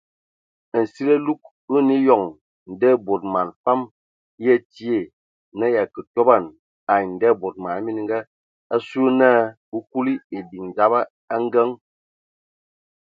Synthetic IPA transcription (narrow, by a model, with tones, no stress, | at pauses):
n̩˨si˦lə˦lu˦k̚ | u˦ni˦jɔ˨ŋ | n̩˨də˦˨bo˨t̚ma˨nfa˦m | jɛ˦ti˦e˦˨ | nə˦ja˨kə˨tɔ˦ba˦˨n | a˨jn˨də˦˨bo˨t̚ma˨n˦mi˦n˦ŋ˦ɡa˦ | a˦su˦naː˦bu˦ku˦li˦e˨di˨ŋn˨d͡ʒa˦ba˦ | a˦ŋ˦ɡə˦ŋ